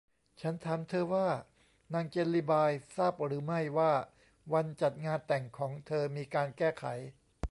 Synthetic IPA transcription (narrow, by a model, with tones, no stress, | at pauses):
t͡ɕʰa˦˥nt̪ʰaː˩˦mt̪ʰɤː˧waː˥˩ | naː˧ŋt͡ɕe˧nliː˦˥˩baː˧jsaː˥˩p̚ɾɯː˩˦ma˥˩jwaː˥˩ | wa˧nt͡ɕa˨˩t̪̚ŋaː˧nt̪ɛ˨˩ŋkʰɔː˩˦ŋt̪ʰɤː˧miː˧kaː˧nkɛː˥˩kʰa̰˩˦j